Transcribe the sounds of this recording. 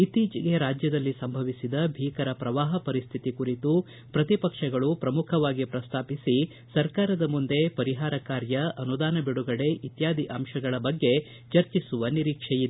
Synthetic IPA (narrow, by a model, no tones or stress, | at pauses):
it̪ːiːt͡ʃiɡe̞ɾaːd͡ʒjɐd̪ɐlːisɐmbʱɐʋisid̪ɐbʱiːkɐɾɐpɾɐʋaːɦɐpɐɾist̪ʰit̪ikuɾit̪u | pɾɐt̪ipɐkʂɐɡɐɭupɾɐmukʰɐʋaːɡipɾɐst̪ʰaːpisi | sɐɾkaːɾɐd̪ɐmund̪e̞pɐɾiɦaːɾɐkaːɾjɐʔɐnud̪aːnɐbiɽuɡɐɽe̞ʔit̪jaːd̪ʱiʔɐmʃɐɡɐɭɐbɐɡːe̞ | t͡ʃɐɾt͡ʃisuʋɐniɾiːkʂɛjid̪e